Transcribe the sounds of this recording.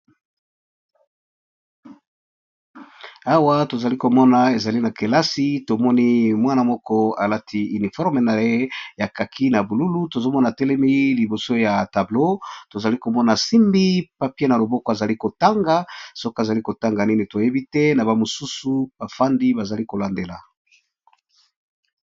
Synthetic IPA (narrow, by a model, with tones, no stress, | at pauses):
a˦wa˦to˨za˨li˦ko˨mɔ˦na˨e˨za˨li˦na˨ke˨la˦si˦to˨mɔ˦ni˦mwa˦na˨mɔ˦kɔ˦a˨la˦tʰi˦y˨ni˨fɔ˦ʁme˨na˨je˦ja˨ka˨kʰi˦na˨bu˨lu˦lu˦to˨zo˦mɔ˦na˨tɛ˦lɛ˦mi˦li˨bo˨so˦ja˨ta˨blo˦to˨za˨li˦ko˨mɔ˦na˨si˦mbi˦pa˨pje˦na˨lo˨bɔ˦kɔ˦a˨za˨li˦ko˨ta˦ŋɡa˦so˦kɔ˦a˨za˨li˦ko˨ta˦ŋɡa˨ni˦ni˨to˨je˦bi˦tɛ˦na˨ba˨mo˨su˦su˨ba˨fa˦ndi˦ba˨za˨li˦ko˨la˨nde˨la˨